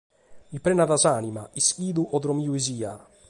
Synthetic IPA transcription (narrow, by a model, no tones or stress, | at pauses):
ipɾenaðazaːnimaiskiːd̪uʔɔd̪ɾɔmiuiziːa